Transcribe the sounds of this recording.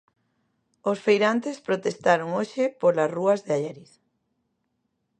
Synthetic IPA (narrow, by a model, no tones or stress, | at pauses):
osfejɾant̪espɾot̪est̪aɾoŋoʃɪpolɐsruɐzðeaʎɛɾiθ